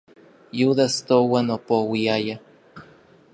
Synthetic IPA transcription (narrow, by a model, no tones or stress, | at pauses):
juðast̪owanopowiaja